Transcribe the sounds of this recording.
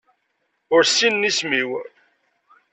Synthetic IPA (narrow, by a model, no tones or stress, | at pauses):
ʊɾsinːismiw